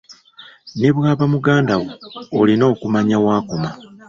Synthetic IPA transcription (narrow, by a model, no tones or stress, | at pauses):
ne̞βwaːβamuɡaːndawoːlino̞ːkumaɲawaːkoma